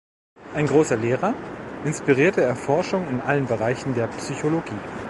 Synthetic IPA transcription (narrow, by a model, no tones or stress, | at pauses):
ʔaɪnɡʁoːsɐleːʁɐʔɪnspiʁiːɐtəɛɐfɔɐʃʊŋɪnʔalənbəʁaɪçn̩deːɐpsyçoloɡiː